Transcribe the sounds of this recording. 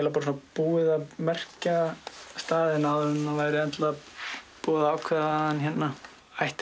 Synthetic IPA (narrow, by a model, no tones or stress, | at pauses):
ɛlapaːɾs̬napuːɪðaðmɛr̥cast̪aːðɪnaðʏnːavajɾɪɛnt̪lapuːðaaːwkʰvɛðaaançɛt̪na | ajht̪